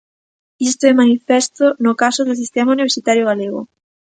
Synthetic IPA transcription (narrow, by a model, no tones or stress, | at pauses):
ist̪oɛmanifɛst̪onʊkasoðʊsist̪ɛmauniβeɾsit̪aɾjoɣaleɣo̰